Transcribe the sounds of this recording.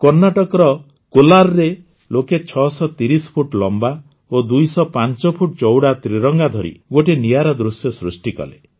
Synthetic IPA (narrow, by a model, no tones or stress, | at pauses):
kɔɾnaʈɔkɔɾɔ | kolaɾɔɾe | loket͡ʃʰɔsɔt̪iɾispʰuʈlɔmba | od̪ujsɔpant͡ʃɔpʰuʈ̚t͡ʃɔwɽat̪ɾiɾɔŋɡad̪ʱɔɾḭɡoʈeniaɾɔd̪ɾusjɔsɾusʈikɔ̰lḛ